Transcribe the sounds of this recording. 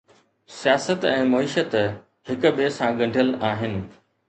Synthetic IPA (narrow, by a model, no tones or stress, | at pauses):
sijaːsət̪ɛ̃ːmɐiːʃət̪ | hɪkʊ̆ɓeːsãɡɐ̃ɳɖʱiəlaːɦɪnɪ̆